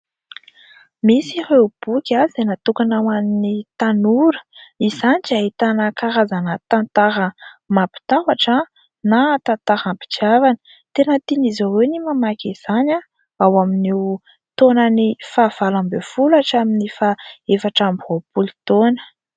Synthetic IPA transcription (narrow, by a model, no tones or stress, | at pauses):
misihewb̥ukʲazd̪enat̪ukanawaninit̪anuɾə̥izaniʈ͡ʂait̪anəkaɾazanət̪ant̪aɾəmapi̥t̪awaʈ͡ʂə | nat̪ant̪aɾampi̥d͡ʒiavanə̥ | t̪enət̪inizawewnimamakʲiz̥ana | awaminew | t̪onənifav̥alambefulaʈ͡ʂaminifaefaʈ͡ʂambopuli̥t̪onə̥